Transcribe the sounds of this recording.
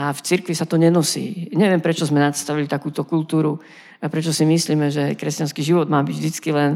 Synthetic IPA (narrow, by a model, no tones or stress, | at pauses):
aft͡siɾkʋisat̪ɔɲɛnɔsḭːɲɛʋɪɛmpɾɛt͡ʃɔzmɛnat̪st̪aʋilit̪akuːt̪ɔkult̪uːɾu | apɾɛt͡ʃɔsimisliːmɛʒɛkɾɛscanskiːʒiʋɔd̪maːbiɟvd̪it͡skilɛn